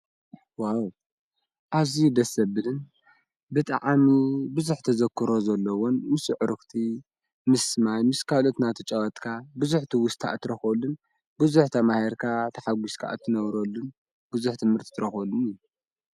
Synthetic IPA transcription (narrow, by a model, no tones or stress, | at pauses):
waw | ʔaβzid̪ɐsɐbɨlɨn | bɨt̪ʼa̰ʕamibɨzuħt̪ʰɐzɐkʰːɨɾo̞zɐlːɐwonmɨsɨʕɨɾɨkt̪ʰi | mɨsmajmɨskʰalo̞t̪nat̪ʰɨt͡ʃʼɐwɐt̪ʼkʰabɨzuħt̪ʰiwʊst̪ʰa̰ʔt̪ʰːɨɾɐxɐlːun | bɨzuħt̪ʰɐmaheɾkʰat̪ʰɐħaɡʷuskʰa̰ʔt̪ʰːɨnɐβɾɐlːun | bɨzuħt̪ʰɨmhɨɾt̪ʰi̥t̪ʰɨɾɐxɐlːunɨju